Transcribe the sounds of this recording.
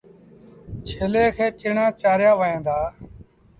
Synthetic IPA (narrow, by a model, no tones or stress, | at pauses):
t͡ʃʰeːleːkʰeːt͡ʃɪɳãːt͡ʃaːɾjaːʋəːẽːnd̪aː